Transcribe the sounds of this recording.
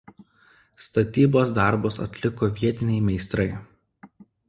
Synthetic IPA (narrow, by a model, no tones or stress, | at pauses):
st̪ɐt̪ʲiːboːsd̪ɑˑɾbosɐ̰t̪ʲlʲɪkoʋʲiɛt̪ʲɪnʲɛɪmʲɛɪst̪ɾɐɪ